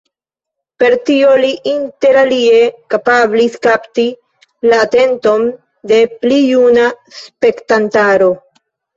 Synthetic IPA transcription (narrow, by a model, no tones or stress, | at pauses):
pe̞ɾtio̞liʔinte̞ɾalie̞kapabliskapti | laːte̞nto̞n | de̞plijuna | spe̞ktantaɾo̞